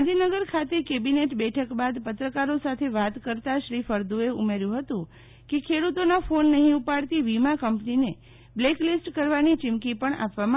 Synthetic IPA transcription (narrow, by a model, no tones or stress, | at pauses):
d̪ʱinəɡəɾkʰat̪ekebineʈbɛʈʰəkbad̪pət̪ɾəkaɾosat̪ʰeʋat̪kəɾt̪aʃɾifəɾd̪ueumeɾjũɦət̪ũ | kekʰeɽut̪onafonːəɦĩupaɽt̪iʋimakəmpnine | bleklisʈkəɾʋanit͡ʃɪmkipəɳa̰pʋama